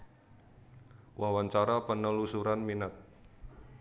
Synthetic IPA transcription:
wʔawaɲt͡ʃaɾapənəlusuɾanminat̪̚

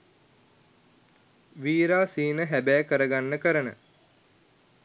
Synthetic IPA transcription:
ʋiːɾaːsiːnəɦæbæːkəɾəɡanːəkəɾənə̰

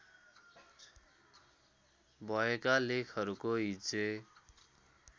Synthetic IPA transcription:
bʱʌekalekʰʌɾukoɦid͡ze

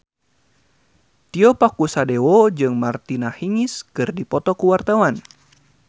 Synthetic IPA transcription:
t̪iɔpakusadewod͡ʒɨŋmart̪inahiŋiskɨrdipɔt̪ɔkuwart̪awan

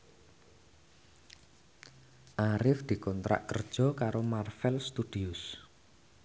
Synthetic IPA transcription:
ʔaɾɪfd̪̥i̤kɔnt̪ɾa̰ʔkərd̥ʒ̥ɔ̤kaɾomarfɛlst̪ud̪̥iʊs

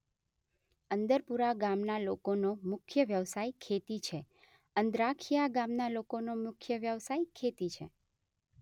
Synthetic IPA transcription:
ənd̪əɾpuɾaɡamnalokonomʊkʰjəʋjəʋsajkʰet̪it͡ʃʰe | ənd̪ɾakʰijaɡamnalokonomʊkʰjəʋjəʋsajkʰet̪it͡ʃʰe

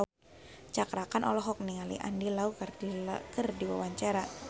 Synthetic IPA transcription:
t͡ʃakɾakanʔɔlɔɦɔk̚niŋalḭʔa̰ndilaukikərdiwa̰waɲt͡ʃaɾa

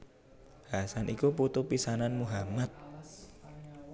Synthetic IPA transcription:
hasanʔikuput̪upisananmuɦamat̪̚

